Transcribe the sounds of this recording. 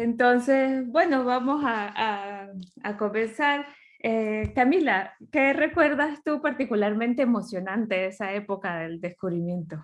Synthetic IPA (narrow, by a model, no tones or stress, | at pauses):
ent̪o̞nse̞sbwe̞no̞βamo̞saa | ako̞me̞nsaɾ | ekamilakere̞kwe̞ɾðast̪upaɾt̪ikulaɾmẽ̞nt̪e̞ːmo̞sjo̞nãnt̪e̞esae̞po̞kaðe̞ld̪e̞skuβɾimjẽ̞nt̪o